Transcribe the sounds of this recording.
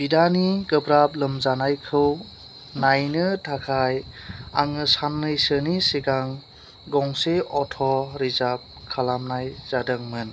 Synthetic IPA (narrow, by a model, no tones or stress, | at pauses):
bidaniɡɯbɾap̚lɯmzanajkʰɯw | najnɯtʰakʰajaŋɯsanːɯjsɯniseɡaŋ | ɡɔŋseɔtʰɔɾizap̚kʰalamnajzadɯŋmɯn